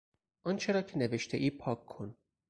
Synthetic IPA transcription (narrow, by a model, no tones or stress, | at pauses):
ʔɒnt͡ʃʰe̞ɾɒːcʰe̞neveʃt̪ʰeʔiːpʰɒːkʰːon